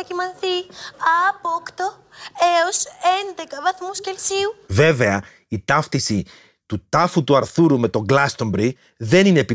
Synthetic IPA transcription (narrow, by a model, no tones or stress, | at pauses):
cimɐnθiɐpokt̪o | eose̞nd̪e̞kɐvɐθmuscelsiuve̞ve̞ɐ | it̪ɐft̪isi | t̪ut̪ɐfut̪uɐɾθuɾume̞t̪o̞ŋɡlɐst̪o̞mbɾi | ðe̞nine̞pi